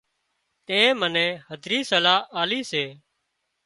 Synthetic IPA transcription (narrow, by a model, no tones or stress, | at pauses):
t̪ẽːmənẽːhəd̪ʱɾiːsəlaːaːliːseː